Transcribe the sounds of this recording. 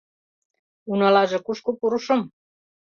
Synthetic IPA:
unɑlɑʒĕkuʃkupuɾuʃŏm

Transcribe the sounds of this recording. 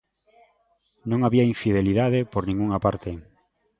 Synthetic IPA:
nõŋaβiaiɱfiðeliðaðepoɾnĩŋɡuŋapaɾt̪e

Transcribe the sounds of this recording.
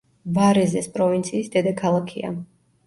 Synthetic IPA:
vaɾɛzɛspʼɾɔvint̪sʰiːsd̪ɛd̪akʰalˠakʰia̰

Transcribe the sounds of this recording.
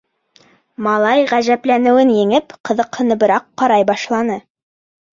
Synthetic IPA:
mɑlˠɑjʁæʒæplænɘ̆wɘnjɘ̆ŋɘpqɤ̆ðɤ̆qhɤ̆nɤ̆bɤ̆ɾɑqːɑɾɑjbɑʃlˠɑnɤ

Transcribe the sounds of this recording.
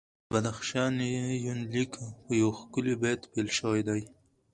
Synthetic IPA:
bad̪axʃɑnijunlikpəjawxkʊlibat̪pelʃəwajd̪aj

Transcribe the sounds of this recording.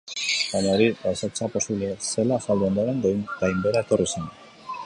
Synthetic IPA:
baɲaoɾiasat͡sapo̞siβlese̞lasald̪uond̪oɾe̞ŋɡ̪ajmbeɾae̞t̪o̞risen

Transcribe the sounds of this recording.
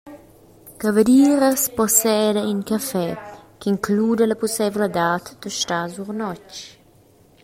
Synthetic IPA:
kavəd̪iːɾəsposɛd̪əyŋkafɛkiŋkluːd̪ələpusɛvləd̪at̪d̪̥əʃt̪azuɾnɔt͡ʃ

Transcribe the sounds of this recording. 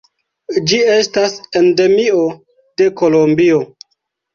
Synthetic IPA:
d͡ʒie̞stasende̞mio̞ | d̥e̞kolombio̞

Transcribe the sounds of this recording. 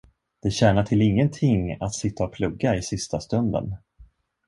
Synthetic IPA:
d̪̥ɛɕɛːnaʈʰɪlɪŋːənt̪ʰɪŋːa̰t̪sɪt̪ːaɔpʰlɵɡːaɪsɪst̪ast̪ɵnd̪ə̰n

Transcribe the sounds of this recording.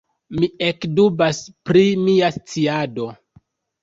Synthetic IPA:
miekdubaspɾimiast͡siado̞

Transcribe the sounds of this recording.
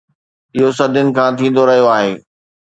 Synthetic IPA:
ɪɦos̬ɐd̪ʱʊnɪ̆kʰãːt̪ʰĩːn̆d̪oɾɐɦijoaːɦeː

